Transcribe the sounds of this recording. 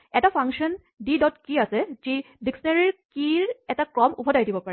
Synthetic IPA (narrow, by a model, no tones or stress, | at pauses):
ɛtapʰaŋʃɔn | didɔtkiasɛzi | diksɔnaɹiɹkiɹɛtakɹɔmṵbʱɔdajdibɔpaɹɛ